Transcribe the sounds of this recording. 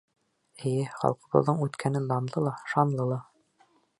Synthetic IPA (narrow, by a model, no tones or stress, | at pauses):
ɘ̆jɘχɑ̰lˠqɤ̆bɤ̰̆ððɤɴʉt̪kʰænɘnd̪ɑnd̪ˠɤlˠɑʃɑnlˠɤlˠɑ